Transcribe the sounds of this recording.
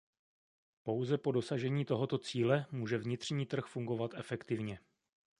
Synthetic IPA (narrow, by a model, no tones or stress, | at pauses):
po̞wzɛpo̞do̞saʒɛɲiːt̪o̞ɦo̞t̪o̞t͡siːlɛmuːʒɛvɲɪt̪r̝̥ɲiːt̪r̩xfuŋɡo̞vat̪ɛfɛkt̪ɪvɲɛ